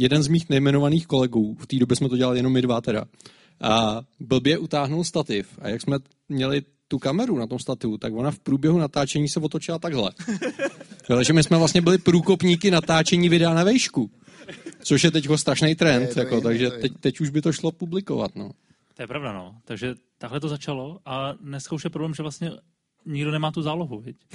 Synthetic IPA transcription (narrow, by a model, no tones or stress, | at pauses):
jɛdɛnzmiːxnɛjmɛnovaniːxko̞lɛɡuːft̪iːdo̞bjɛsmɛt̪oɟɛlalɪjɛno̞mɪdvat̪ɛda̰ | ʔabl̩bjɛʔut̪aːɦnulst̪at̪ɪfa̰jaksmɛ | mɲɛlɪ | t̪ukamɛɾunat̪o̞mst̪at̪ɪut̪akvo̞nafpɾuːbjɛɦunat̪aːt͡ʃɛɲiːsɛvot̪o̞t͡ʃɪlat̪aɡɦlɛ̰ | ɛlɛʒɛmɪsmɛvlast̪ɲɛbɪlɪpɾuːko̞pɲiːkɪnat̪aːt͡ʃɛɲiːvɪdɛanavɛjʃku | t͡soʃjɛt̪ɛckost̪ɾaʃnejt̪ɾɛnt̪jako̞t̪aɡʒɛt̪ɛct̪ɛcuʒbɪt̪o̞ʃlo̞publɪko̞̰va̰t̪no̞̰ː | ojɛpɾavdano̰t̪aɡʒɛ | t̪aɡɦlɛt̪ozat͡ʃalo̞ʔadnɛskauʃjɛpɾoblɛːmʒɛvlast̪ɲɛ | ɲɪɡdonɛmaːt̪uzaːloɦuvɪc